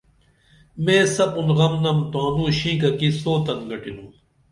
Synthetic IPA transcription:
mẽːsɐpunʁɐmnɐmt̪aːnũːɕĩːkɐkisoːt̪ɐnɡɐʈinũː

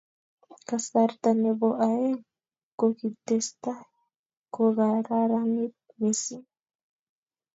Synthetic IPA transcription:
kasaɾt̪aneboʔae | kokit̪est̪a | koɡaɾaɾamit̪̚ | mesi

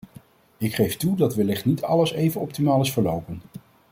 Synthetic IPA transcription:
ɪkχejftudɑtʋəlɪχtnitʰɑ̰ləsejvənɔp̚timaːlɪsfəɹlowpən

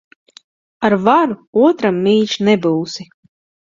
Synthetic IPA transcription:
aɾvaɾuuɔt̪ɾamːiːʃnɛbuːwsi

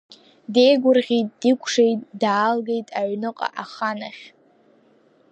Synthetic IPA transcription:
de̞jɡʷʊrʁʲitʼːdikʷʰʂejtʼdaːlɡe̞jtʼaʕnɨqʼa̰ʔaχanaχʲ

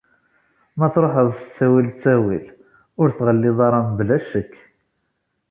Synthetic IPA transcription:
mæθɾoħəðˤsə̥t͡sːæwilt͡sːæwil | ʊɾθʁəlːɪðˤɑɾˤɑmblæʃəkː

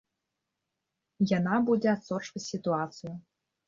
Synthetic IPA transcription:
janabud͡zʲɛat̪sɔt͡ʂvʲɐt͡sʲsʲit̪uat̪sɨju

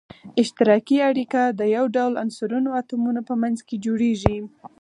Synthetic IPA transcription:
ɪʃt̪ɪɾɑkiaɽikad̪əjawɖawla̰nsʊɾunoat̪umunapəmanzked͡ʒoɽeʒi

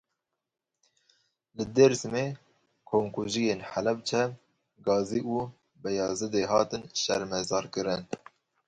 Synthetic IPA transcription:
lɨd̪eɾsɨme | kʰoːmkuʒijeːnħælɛb̚t͡ʃʰɛm | ɡɑːziːʔu | bɛjɑːzɨd̪eɦɑːt̪ɨnʃɛɾmɛzɑːɾkɨɾɨn

